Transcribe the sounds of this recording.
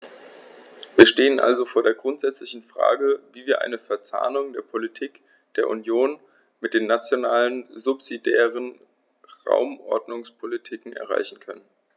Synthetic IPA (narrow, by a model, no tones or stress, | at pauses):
viːɐʃteːənʔa̰lzofoːɐdeːɐɡʁʊntz̥ɛt͡slɪçn̩fʁ̥a̰ːɡəviːviːɐʔa̰ɪnəfɛɐt͡sa̰ːnʊŋdeːɐpʰolitʰiːk | d̥eːɐʔṵnjoːn | mɪt̚d̥eːnːat͡sjonaːlənzʊpz̥idɛːʁən | ʁa̰ʊmʔɔ̰ɐdnʊŋspʰolitʰiːkŋ̩ɛ̰ɐʁ̞a̰ɪçn̩kʰœnən